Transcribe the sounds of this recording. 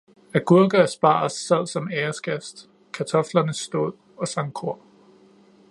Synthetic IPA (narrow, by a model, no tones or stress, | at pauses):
æɡ̥uɐ̰ɡ̥ɐæsb̥ɑ̰̈sːæð̰ˠsɒ̽meːɐsɡ̥æsd̥ | kʰæt͡sʰɒ̽flɐnəsd̥o̝̰ð̰ˠ | ɒ̽sɑ̈ŋkʰo̝ɐ̰